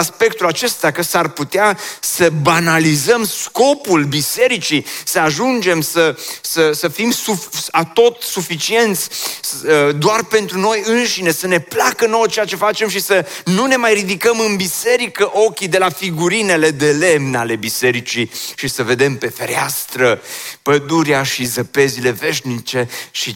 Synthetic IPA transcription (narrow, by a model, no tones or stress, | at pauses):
aspe̞k̚t̪ulat͡ʃe̞st̪akəsarput̪easəbanalizəmsko̞pulbise̞ɾit͡ʃisəaʒund͡ʒe̞msəsəsəfimsuat̪o̞t̪sufit͡ʃie̞nt̪sʲ | d̪oarpe̞nt̪ɾuno̞jɨnʃine̞səne̞plakənowt͡ʃejat͡ʃe̞fat͡ʃe̞mʃisənune̞majrid̪ikəmɨnbise̞ɾikəʔo̞kʲid̪e̞lafiɡuɾine̞le̞d̪e̞le̞mnale̞bise̞ɾit͡ʃiʃisəve̞d̪e̞mpe̞feɾea̰st̪ɾəpəd̪uɾjaʃizəpe̞zile̞ve̞ʃnit͡ʃe̞ʃi